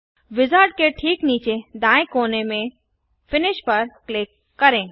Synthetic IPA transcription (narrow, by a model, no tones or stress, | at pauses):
ʋɪzaːɾɖ̚keʈʰiːkniːt͡ʃed̪ãːẽkoːnemẽ | fɪnɪʃpɐɾklɪkːɐɾẽː